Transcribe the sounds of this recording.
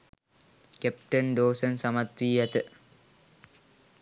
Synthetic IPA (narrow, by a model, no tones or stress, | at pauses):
kep̚ʈənɖoːsənsamat̪wiːjat̪ə